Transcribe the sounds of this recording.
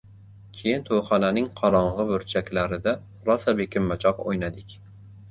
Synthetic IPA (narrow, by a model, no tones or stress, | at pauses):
kʲʰejɪnt̪ʰojχɒnanɪŋqʰɒɾɒɴʁɨbɵɾt͡ʃʰakʲlaɾɪd̪a | ɾɒsabekʲʰɪmːat͡ʃʰɒqo̰jnad̪ɪkʲ